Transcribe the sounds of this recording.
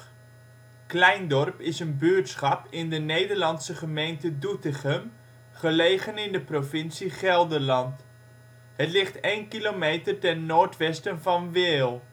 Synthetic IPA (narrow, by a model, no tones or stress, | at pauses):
klɛjndɔrpɪsənbyːrtsχɑpɪndənejdərlɑnsəχəmejntədutɪχəm | χəleːχənɪndəprofɪnsiχɛlˠdərlɑnt | hətlɪχtejnkilomejtərtɛnːoːrtʋɛstənvɑnʋɪːlˠ